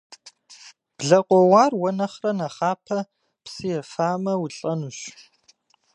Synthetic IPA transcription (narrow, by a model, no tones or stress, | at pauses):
b̥ɮɐqʷʼɔwɑːrwɔnɐχrɐnɐχaːpʰɐ | psɨjɛfaːmɐwʊɬʼɐnuɕ